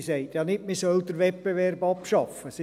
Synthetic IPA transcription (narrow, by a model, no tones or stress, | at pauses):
seɪtjɑnɪtmisœld̪əɾʋɛt̚b̥eʋɛrbɑpʃɑfəsɪ